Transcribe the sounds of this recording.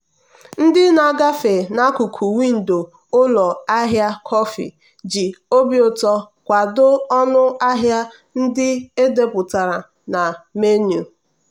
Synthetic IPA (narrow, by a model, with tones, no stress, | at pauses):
n̩˦dɪ˦na˨ɡa˦fe˨na˦kʊ˨kʰu˨wi˦n̩˨do˨ | ʊ˦lɔ˨a˦ɦja˦kʰɔ˦fḭ˨ | d͡ʒi˨o˦bjʊ˨tɔ˦ | kʷa˨dʊ˦ɔ˦nʊ˦a˦ɦja˦ | n̩˦dɪ˦e˦de˦pʊ˨ta˨ɾa˨ | na˨me˦nju˨